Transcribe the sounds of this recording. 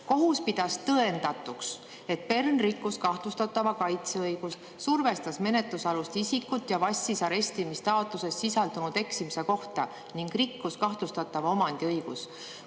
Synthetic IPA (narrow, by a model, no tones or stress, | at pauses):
ko̞ɦuspid̪̥ɑst̪ɤe̞nd̪̥ɑt̪ːˑuks | e̞t̪̚pe̞rnrikːˑuskɑht̪lust̪ɑt̪ːˑɑvɑkɑjt̪seɤjɡ̥us | surve̞st̪ɑsme̞ne̞t̪lusɑlust̪isikːˑut̪ːˑjɑvɑsʲːisɑɾe̞st̪imist̪ɑot̪ˑluse̞ssisɑld̪unud̪̥e̞ksimise̞ko̞ht̪ɑ | niŋɡ̥rikˑːuskɑht̪lust̪ɑt̪ːˑɑvɑo̞mɑnd̪iɤjɡ̥us